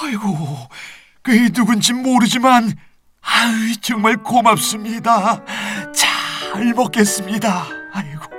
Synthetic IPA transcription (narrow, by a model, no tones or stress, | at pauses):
aɾiɡo | kɯenuɡunt͡ɕimːoɾɯd͡ʑiman | ait͡ɕʌŋmaɭkomap̚s͈ɯmɲida | t͡ɕaɭmʌk͈e̞s͈ɯmɲidaːɾiɡo̥